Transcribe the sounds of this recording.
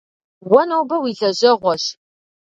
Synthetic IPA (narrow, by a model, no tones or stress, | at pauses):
wɔnowbɐwiːɮɐʑɐʁʷɔɕ